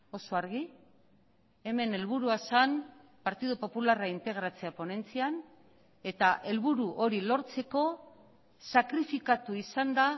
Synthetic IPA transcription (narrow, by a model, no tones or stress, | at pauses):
o̞so̞aɾɣ̞i | e̞me̞ne̞lβuɾuasan | paɾt̪iðupo̞pularaint̪e̞ɣ̞ɾat͡seapo̞ne̞nt͡sian | e̞t̪aʔe̞lβuɾuʔo̞ɾilo̞ɾt͡se̞ko̞ | sakɾifikat̪uisand̪a